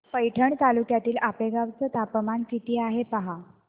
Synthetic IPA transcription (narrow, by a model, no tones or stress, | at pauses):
pəjʈʰəɳt̪alukjat̪iːlapeɡaʋt͡sət̪apmankit̪iːaɦepaɦa